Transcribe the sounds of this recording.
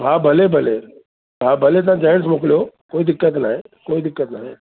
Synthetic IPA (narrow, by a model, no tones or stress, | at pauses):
bʱaːbʱɐlebʱɐleː | bʱaːbʱɐlet̪̬ãd͡ʒaːɦɪɽs̬mʊklijokoːid̪ɪkːət̪naːɦeː | koːid̪ɪkːət̪naːɦeː